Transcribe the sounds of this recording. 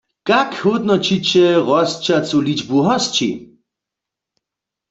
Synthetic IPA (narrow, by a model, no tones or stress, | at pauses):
kakʰhot̪nɔt͡ʃʰit͡ʃʰɛʁɔst͡ʃʰat͡sʼulit͡ʃbuɦast͡ʃʰḭ